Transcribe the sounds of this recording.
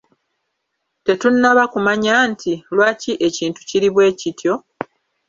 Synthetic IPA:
te̞tunːaβakumaɲaːntʰilwaːciʔe̞ciːntu̥ciɾiβwe̞ːcitjo̞

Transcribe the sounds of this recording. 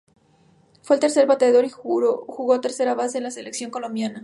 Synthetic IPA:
fwe̞lt̪e̞ɾseɾβat̪eðo̞ɾixuɾoxuɣo̞t̪e̞ɾse̞ɾaβase̞ːnlase̞le̞ksjo̞ŋko̞lo̞mbjana

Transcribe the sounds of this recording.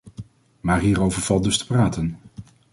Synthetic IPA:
maːɹɦiːɾowvəɹv̥ɑl̚ˠdɵstə̥praːtən

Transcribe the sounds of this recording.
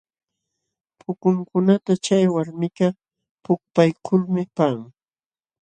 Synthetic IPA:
pʰʊkʊŋkʊnat̪at͡ʃajwaɾmɪka | pʊk̚pajkʰʊlmɪpaŋ

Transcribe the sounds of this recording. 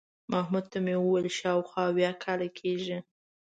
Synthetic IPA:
mahmud̪̚t̪amewəwəlʃɑwxwɑːwjɑkʰɑlakʰeʒi

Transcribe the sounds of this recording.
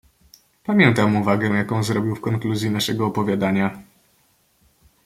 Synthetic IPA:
pamʲjɛnt̪amuvaɡɛ̃jakɔ̃w̃zɾɔbʲjiwfkɔŋkluzʲjinaʂɛɡɔːpɔvʲjad̪aɲa

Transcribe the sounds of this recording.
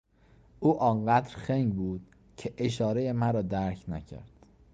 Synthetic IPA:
ʔuːʔɒːŋɢæd̪ɾxeŋɡbuːd̪̥̚ | cʰeʔeʃɒːɾejemæɾɒːd̪æɾcʰnæ̰cʰæ̰ɾd̪̥

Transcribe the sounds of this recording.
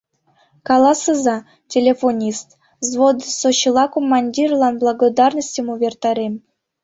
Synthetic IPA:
kɑlˠɑsɤzɑ | tʲelʲefonʲist̪ | zvod̪soɕilˠɑkomːɑnʲdʲirlˠɑnblˠɑɡod̪ɑrnəsʲtʲəmuvʲert̪ɑɾʲem

